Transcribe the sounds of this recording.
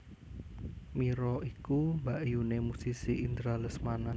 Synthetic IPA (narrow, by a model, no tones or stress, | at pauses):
miɾɔikumbaʔjunemusisiʔind̪ɾaləsmanan